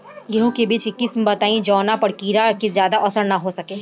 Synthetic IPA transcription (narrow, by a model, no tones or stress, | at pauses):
ɡeɦõkebiːt͡ʃɪkːɪsmebɐt̪aːĩd͡ʒɔːnapɐɽkiːɾakezjaːd̪aʔɐsəɽnɐɦosɐkeː